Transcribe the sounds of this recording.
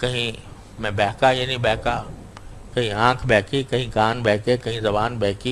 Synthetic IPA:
kɐ̃ɦĩ | mẽbɛːɦkajɐːnibɛːka | kɐ̃ɦĩãːkʰbɛːkikɐ̃ɦĩkaːnbɛːɦkekɐ̃ɦĩzɐbaːnbɛːɦki

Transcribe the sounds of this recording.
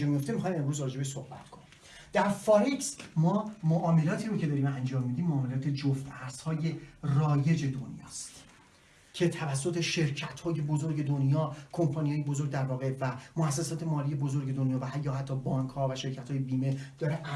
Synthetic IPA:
emijoft̪emixɒːjme̞mɾuzɾɒːd͡ʒebeʃsohbæ̰t̪kʰo̞nim | d̪̥æɾfɒɾiksmɒːmoʔɒːme̞lɒːt̪ʰiːɾocʰed̪ɒːɾiːmænd͡ʒɒːmːiːd̪iːmːoɒːme̞lɒːt̪ʰe̞d͡ʒoft̪æɾzhɒːje̞rɒːje̞d͡ʒe̞d̪onjɒ̰ːst̪ | cʰe̞t̪ʰævæsːo̞t̪ʰe̞ʃe̞ɾcʰæt̪hɒːje̞bozo̞ɾɟe̞d̪onjɒːkʰo̞mpʰɒːnijɒːjebozoɾɟ̚d̪æɾvɒːɣe̞væmoæs̬ːesɒːt̪ʰe̞mɒːlije̞bozo̞ɾɟe̞d̪onjɒːvæɦæjːɒːhæt̪ʰːɒːbɒːŋkʰhɒːvæʃe̞ɾcʰæt̪hɒːjebiːmed̪̥ɒːɾeʔ

